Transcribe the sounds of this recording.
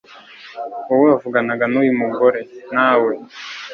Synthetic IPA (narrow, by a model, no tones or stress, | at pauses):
uweavuɡanaɡanujumuɡo̞ɾe̞naːwe̞